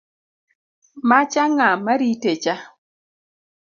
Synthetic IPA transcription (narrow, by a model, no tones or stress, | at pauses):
mat͡ʃaŋamaɾitet͡ʃa